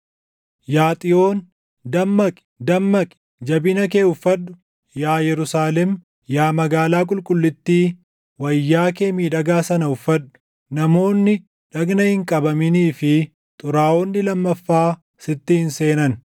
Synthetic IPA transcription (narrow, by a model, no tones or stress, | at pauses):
jaːt̪ʼɪo̞ːn | d̪ɐmːɐkʼɪ̥d̪ɐmːɐkʼɪ̥ | d͡ʒɐbɪnɐk̬e̞ːʊfːɐdːʊ | jaːjɛɾʊsaːlɛm | jaːmɐɡaːlaːkʼʊlkʼʊlːɪt̪ːiː | wɐjːaːk̬e̞ːmiːᶑɐɡaːsɐnɐʊfːɐdːʊ̥ | nɐmo̞ːnːɪ | ᶑɐɡnɐhɪŋkʼɐbɐmɪniːfɪ | t̪ʼʊɾaːɔnːɪlɐmːɐfːaː | sɪt̪ːɪhɪnse̞ːnɐn